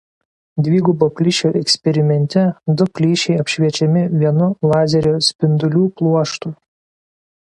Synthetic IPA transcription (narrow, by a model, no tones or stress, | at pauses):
d̪ʲʋʲiːɡuboːpʲlʲɪʃʲoːʔɛksʲpʲɛɾʲɪmʲɛnʲt̪ʲɛd̪ʊpʲlʲiːʃʲɛɪɐpʲʃʲʋʲiɛt͡ʃʲɛmʲɪʋʲiɛnʊlˠɑːzʲɛɾʲoːsʲpʲɪnd̪ʊlʲuːplˠuɔʃt̪uː